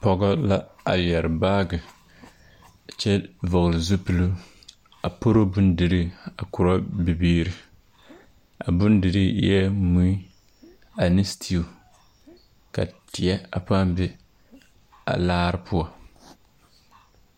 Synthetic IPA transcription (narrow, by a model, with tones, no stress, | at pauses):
pɔ˨ɡa˦la˦a˨lɛ˨ɾɨ˨baː˦ɡɨ˨ | t͡ʃɛ˦vɔ˨ɣlɨ˨zu˦pɨ˨lu˦ | a˨po˦ɾo˦bʊ˦ndɨ˨ɾi˦a˨kʊ˨ɾa˦bɪ˨biː˦ɾɨ˦ | a̰˨bʊ˦ndɨ˨ɾi˦ɛ˦mu˦i˦ | a˨nɪ˦stʰi˦u˨ | ka̰˨ti˨ɛ˦a̰˨pa˦mbɪ˦ | a̰˨laː˦ɾɨ˦pʰʊ˦a˨